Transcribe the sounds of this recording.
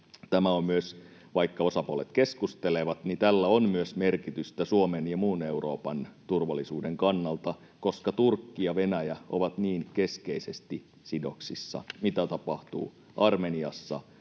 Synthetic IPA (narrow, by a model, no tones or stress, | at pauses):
t̪æmæommyøs | ʋɑikːɑo̞sɑpuolet̪keskust̪eleʋɑt̪nit̪ælːæonmyøsme̞rkit̪yst̪æsuomenjɑmuːneuro̰ːpɑnt̪urʋɑlːˑisuːdeŋkɑnːɑlt̪ɑ | ko̞skɑt̪urkːiɑʋenæjæo̰ʋɑt̪niːnke̞skeisest̪i | sido̞ksisːɑ̰mit̪æt̪ɑpɑht̪ṵː | ʔɑrmeniɑsːɑ̰